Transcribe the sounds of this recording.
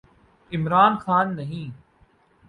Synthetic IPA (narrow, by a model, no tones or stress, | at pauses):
ɪmɾaːnxaːnːɐɦĩː